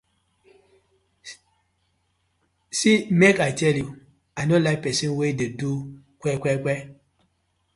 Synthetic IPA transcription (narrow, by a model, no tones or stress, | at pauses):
simɛkat͡ʃɛlju | anolapɛsenwededu | kʷɛkʷɛkʷɛ